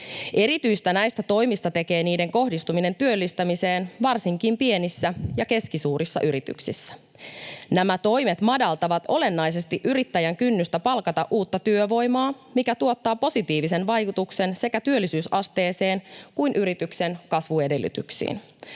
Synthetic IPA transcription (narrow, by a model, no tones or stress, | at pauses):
ʔe̞ɾit̪yjst̪ænæjst̪æt̪o̞jmist̪ɑt̪e̞ke̞ːniːde̞ŋko̞hdist̪umine̞nt̪yølːist̪æmise̞ːnʋɑrsiŋkimpie̞nisːæjɑke̞skisuːɾisːɑ̰ʔyɾit̪y̰ksisːæ̥ | næmæt̪o̞jmet̪mɑdɑlt̪ɑʋɑt̪o̞le̞nːɑjs̬e̞st̪iʔyɾit̪ːæjæŋkynːyst̪æpɑlkɑt̪ɑʔuːt̪ːɑt̪yøʋo̞jmɑː | mikæt̪uo̞t̪ːɑːpo̞sit̪iːʋise̞nʋɑjkut̪uksense̞kæt̪yølːisyːsɑst̪e̞ːse̞ːnkujnʔyɾit̪ykse̞nkɑsʋue̞delːˑy̰t̪y̰ksḭːn